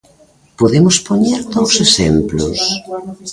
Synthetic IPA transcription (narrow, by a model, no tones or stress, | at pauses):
poðemʊspoɲeɾðowsesemplʊ̰s